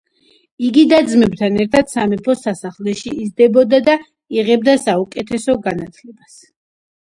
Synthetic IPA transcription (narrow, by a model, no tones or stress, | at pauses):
iɡid̪ad̪zmɛbt̪ʰanɛɾt̪ʰad̪̥samɛpʰɔsasaχlɛʃiizd̪ɛbɔd̪ad̪a | iʁɛb̚d̪asaukʼɛt̪ʰɛsɔɡanat̪ʰlɛbas